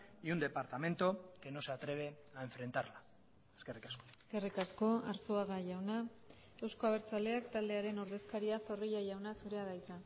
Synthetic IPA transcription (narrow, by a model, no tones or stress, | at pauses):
iund̪e̞paɾt̪ame̞nt̪oke̞no̞se̞at̪ɾe̞β̞e̞ae̞ɱfɾe̞nt̪aɾla | eskerikasko̥eske̞rikasko̞aɾso̞aɣaʝawna | e̞wsko̞aβ̞e̞ɾt͡sale̞akt̪ald̪e̞aɾe̞no̞ɾðe̞skaɾiafo̞riʎaʝawnasuɾe̞aðajt͡sa